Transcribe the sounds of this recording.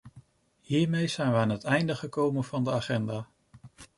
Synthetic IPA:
ɦiːɹmejz̥ɛjnʋəaːnɦətɛjndəχəkowmənvɑndəaːχɛndaː

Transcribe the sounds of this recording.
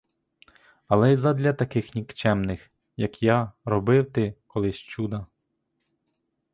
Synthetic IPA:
ɐlˠɛjzɐd̪ʲlʲɐt̪ɐkɪxnʲikt͡ʃɛmnɪx | jɐkjɑɾɔbɪwt̪ɪkɔlˠɪsʲt͡ʃud̪ɐ

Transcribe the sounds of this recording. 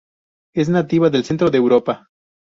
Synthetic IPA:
e̞znat̪iβaðe̞lse̞nt̪ɾoðeːwɾo̞pa

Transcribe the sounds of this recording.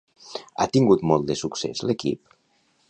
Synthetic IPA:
a̰t̪iŋɡut̪moɔlˠd̪esuksḛzlekḭp

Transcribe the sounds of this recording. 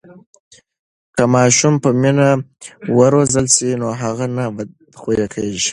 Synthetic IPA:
kəmɑʃumpəminawəɾozəlsinoɦaɣana | xojekʰaʒi

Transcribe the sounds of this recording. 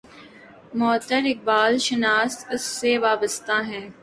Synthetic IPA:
mɔːt̪əɾɪk̚baːlʃɪnaːst̪ʊsːeʋaːbəst̪aɦɛ̃ː

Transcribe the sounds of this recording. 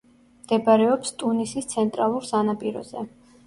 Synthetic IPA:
md̪̥ɛbaɾɛɔpst̪ʼunisist̪sʰɛnt̪ʼɾalˠuɾsanapʼiɾɔ̰zɛ̰

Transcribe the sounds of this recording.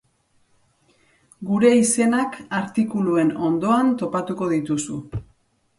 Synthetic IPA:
ɡuɾe̞ise̞nakaɾt̪ikulue̞no̞nd̪o̞ant̪o̞pat̪uko̞ðit̪usu

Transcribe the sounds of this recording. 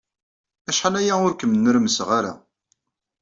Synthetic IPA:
æʃħalæjaʊɾkəmənːəɾməsʁaɾa̰

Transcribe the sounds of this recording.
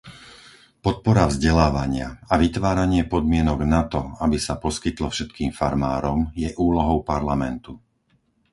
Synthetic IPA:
pɔt̪̚pɔɾavzɟɛlaːʋaɲɪaaʋit̪ʋaːɾaɲɪɛpɔd̪mɪɛnɔɡnat̪ɔabisapɔskit̪lɔfʃɛt̪kiːmfaɾmaːɾɔmjɛʔuːlɔɦɔʊpaɾlamɛnt̪u

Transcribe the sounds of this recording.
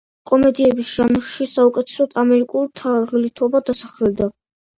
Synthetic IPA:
kʼɔmɛd̪iɛbisʒ̥anʃisaukʼɛt̪ʰɛ̥sɔd̪ʰamɛɾikʼult̪ʰaʁlit̪ʰɔbad̪asaχlɛd̪a

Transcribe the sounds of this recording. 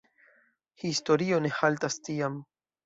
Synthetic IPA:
hist̪oɾioneħalt̪ast̪ijam

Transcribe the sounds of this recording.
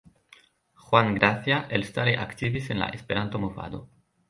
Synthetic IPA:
xwaŋɡɾaθjaʔelst̪aɾeʔakt̪iβisenla̰ʔespeɾant̪omofa̰d̪o̰

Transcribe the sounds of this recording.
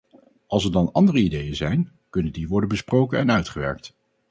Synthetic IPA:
ɑlˠsɛɹdɑnɑndərəidejəzɛjn | kɵnəndiʋɔɹdənbəsprowkənɛnœɥtχəʋɛ̰ɹk̚t

